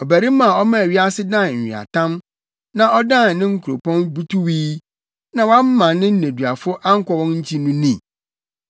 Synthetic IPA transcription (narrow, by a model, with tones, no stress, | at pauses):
ɔ˨bæ˨ɾi˦mã˨ɔ˦mã˦æ˨ɥi˦a˦sɪ˦dã˦˨n̩˨ḭ˨a̰˨tʰã˦m | nã˨ʔɔ˦dã˦˨nnɪ̃˦ŋ̩˦kʰu˨ɾo˨pʰɔ̃˦nbu˦tʰu˦wiː˦ | nã˨wã˦m˦mã˨nnɪ̃˦n̩˦næ̃˨dɥa˨fʊ˦ʔa˦ŋ̩˦kʷɔ˦wɔ̃˦nɲ̩˦t͡ɕʰi˦nũ˦nĩ˨